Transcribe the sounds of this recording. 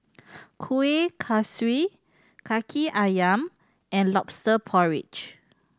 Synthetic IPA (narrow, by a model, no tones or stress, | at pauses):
kʰuekʰaswi | kʰakʰiʔajãm | ɛ̃nlɔpstəpʰɔɹḭt͡ʃ